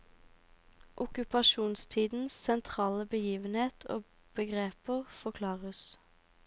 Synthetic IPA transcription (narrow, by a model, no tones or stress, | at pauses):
ʔʊkʉpɑʃuːnst̪ʰiːd̪n̩ssɛnt̪ʰʁɑːləbəjiːʋənheːt̪ʰo̰ː | b̥əɡʁeːpəʁfɔʁkʰlɑːʁəs